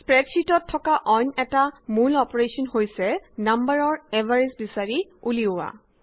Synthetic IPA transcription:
spɹɛtsitɔtʰːɔkaʔɔjnɛtamulɔpɔɹesɔnhojsɛnambaɹɔɹɛvaɹisbisaɹiuliʊwa̰

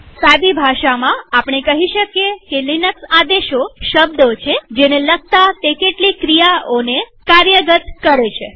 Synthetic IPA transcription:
sad̪ibʱaʃamãapɳ̃ekəɦiʃəkjekelinəksad̪eʃoʃəb̚d̪ot͡ʃʰed͡ʒenelək̚t̪at̪ekeʈlikɾijaonekaɾjəɡət̪kəɾet͡ʃʰe

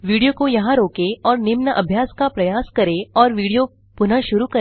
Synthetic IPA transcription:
ʋiːɽijokojɐɦãɾoːkeɔːɾnɪmnəʔɐbʱjaːskapɾɐjaːskɐɾeɔːɾʋiːɽijo | pʊnəʃʊɾukɐ

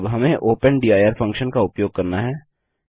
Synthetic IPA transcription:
bɦɐmẽʔoːpənɖiːaːjəːɾfʰɐ̃ŋkʃənkaʊpjoːɡ̚kɐɾnaɦɛː

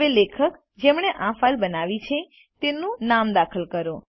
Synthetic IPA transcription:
elekʰək | d͡ʒemɳeʔãfalbənaʋit͡ʃʰe | t̪enũnamd̪akʰəlkəɾo

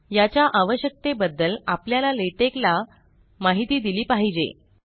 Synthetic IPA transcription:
jat͡ɕjaʔaʋəɕjək̚t̪ebəd̪ːəlapljalaleʈekla | maɦit̪iːd̪iliːpaɦid͡ʑḛ

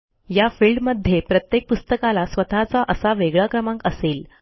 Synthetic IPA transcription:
jafilɖməd̪ʱːjepɾət̪jek̚pust̪əkalasʋət̪ʰat͡saʔəsaʋeɡɭakɾəmãŋkəseːl

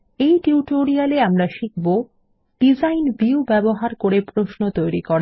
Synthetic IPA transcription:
ejʈiuʈoɾialeamɾaʃik̚ʰbo | ɖ̥id͡ʑajnbiubɛboɦaɾkoɾepɾoʃnot̪ojɾikɔɾa

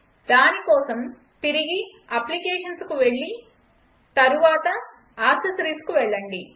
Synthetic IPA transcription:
d̪aːnikɔːsɐm | t̪iɾiɡi | ɐplikɛːʂɐnskuʋeɭːi | t̪ɐɾuʋaːt̪ɐ | aːsɐsɾiːskuʋɛɭːɐɳɖi

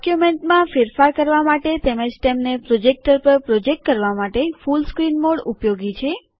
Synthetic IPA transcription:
kjumeɳʈmãfeɾfaɾkəɾʋamaʈet̪eməd͡ʒʈ̪emnepɾod͡ʒek̚ʈəɾpəɾpɾod͡ʒek̚ʈ̚kəɾʋamaʈefulskɾinmoɽupjoɡit͡ʃʰe

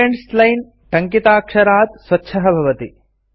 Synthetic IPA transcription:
eɳʈslɐjn | ʈɐŋkit̪aːkʂɐɾaːd̪̚swɐtːʃʰɐɦɐbʱɐʋɐt̪ḭ

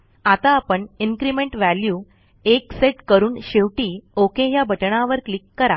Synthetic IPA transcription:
at̪aːpəɳinkɾimeɳʈʋæljuː | ekseʈkəɾuːnɕeʋʈiːokeɦjabʱəʈɳaʋəɾklikːəɾa

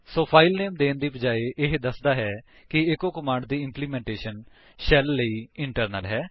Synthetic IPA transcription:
soːpʰaːilneːmd̪eːnd̪iːbəd͡ʒaːiʔɪɦd̪əsd̪aːɦɛː | kɪɪkoːkəmãːɳɖd̪iːɪ̃mpliːmɛ̃ːɳʈeːʃən | ʃɛlːəiːɪɳʈəɾnəlɦɛː

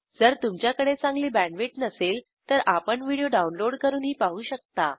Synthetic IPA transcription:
d͡zəɾt̪umt͡ɕjakəɽet͡sãŋɡliːbæ̃ɳɖʋeʈnəsel | t̪əɾʔapəɳʋiɽijoɖaunloɽkəɾuːnɦiːpaɦuːɕək̚t̪a

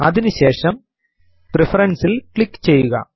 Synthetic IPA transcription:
ɐðinuɕeːʂɐm | prifɐɾɐnsilkɭikːt͡ɕe̞jːuɣɐ̰

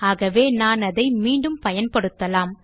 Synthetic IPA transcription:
aːɣɐʋeːnaːnɐðɐɪmiːɳɖɯmpɐjɐnpɐɽɯt̪ːɐlaːm

